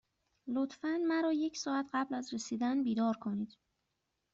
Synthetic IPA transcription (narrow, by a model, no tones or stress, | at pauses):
lot̪fænmæɾɒːje̞cʰsɒːæt̪ʰɢæblæzresiːd̪ænbiːd̪ɒːɾkʰo̞niːd̪̥